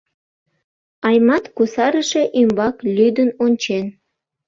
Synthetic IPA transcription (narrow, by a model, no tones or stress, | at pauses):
ɑjmɑt̪kusɑɾəʃe̽ʔymbɑklʲyd̪ənonʲt͡ɕen